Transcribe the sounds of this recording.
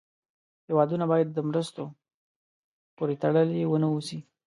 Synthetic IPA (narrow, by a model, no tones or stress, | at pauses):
hewɑd̪unabɑjad̪̚ːəmɾəst̪o | poɾet̪aɽəljewənəusi